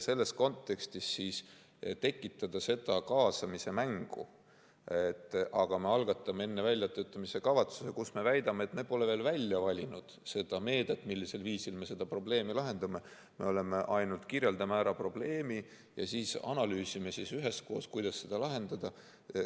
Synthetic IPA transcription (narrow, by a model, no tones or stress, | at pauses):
se̞lːe̞sko̞nt̪ːˑe̞kst̪isːiːs | t̪e̞kːˑit̪ˑːɑd̪̥ɑse̞d̪̥ɑkɑːsɑmise̞mæŋɡ̥ṵ | et̪ːˑʔɑɡ̥ɑme̞ɑlɡ̥ɑt̪ːˑɑmee̞nːe̞vælʲːjɑt̪ø̞ːt̪ːˑɑmise̞kɑvɑt̪su̥se̞kusme̞væjd̪ɑmeet̪ne̥po̞le̞veːlvælʲjɑvɑlʲinud̪̥se̞d̪̥ɑme̞ːd̪̥et̪ːˑmilːise̞lviːsilme̞se̞d̪̥ɑpro̞ble̞ːmilɑɦe̞nd̪̥ɑme̞ | me̞o̞le̞me̞ʔɑjnult̪kirɾje̞ld̪ɑmæːɾɑpro̞b̥le̞ːmi | jɑ̰siːsɑ̰nɑlyːsimesisyɦe̞sko̞ːskujd̪̥ɑsːe̞d̪̥ɑlɑɦe̞nd̪̥ɑd̪̥ɑ